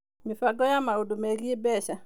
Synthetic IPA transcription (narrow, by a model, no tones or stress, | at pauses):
mɪfaɡɔjamaodomeliebɛʃa